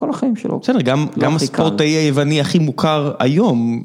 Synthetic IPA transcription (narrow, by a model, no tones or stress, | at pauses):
kolaχaimʃḛlo̰bsedeɡamɡamaskpoʁtaiajevaniaχimukʰaʁa̰jo̞m